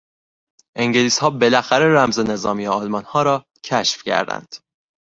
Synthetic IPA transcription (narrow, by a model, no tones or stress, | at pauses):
ʔeŋɟeliːshɒːbe̞læxæɾe̞ræmze̞ne̞zɒːmiːeɒːlmɒnhɒːɾɒː | cʰæʃfcʰæ̰ɾd̪æ̰nd̪̥